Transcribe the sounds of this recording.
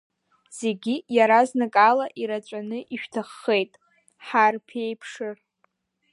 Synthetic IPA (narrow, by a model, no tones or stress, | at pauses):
z̥e̞ɡʲijaɾaznakʼalaʔiɾat͡ʃʷʼanɨʔiʃᶣtʰaχːe̞jtʼ | ħarpʰe̞jpʰʂɨ